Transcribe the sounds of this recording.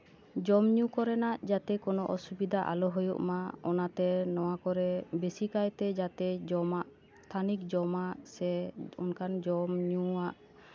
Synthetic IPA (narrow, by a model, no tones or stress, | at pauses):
d͡ʒɔmɲũkɔɾɛnaʔd͡ʒat̪ɛkɔnɔʔɔsubid̪ʱaʔa̰lɔɦujṵʔmaɔnat̪ɛnɔwakɔɾɛbesikajt̪ɛd͡ʒat̪ɛd͡ʒɔmaʔ | st̪ʰanik̚d͡ʒɔmaʔsɛṵnkand͡ʒɔmɲuaʔ